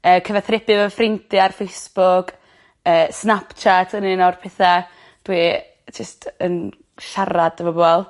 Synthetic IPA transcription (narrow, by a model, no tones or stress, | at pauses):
əːkʰəvɛθrɪbɨvəfrɪntʰɪarfejsb̥ʊk | əːsnapt͡ʃʰatʰənɨnɔrpʰɛθa | d̥wi | d͡ʒəstʰən | ʃaɾad̥əvɔbɔɛlˠ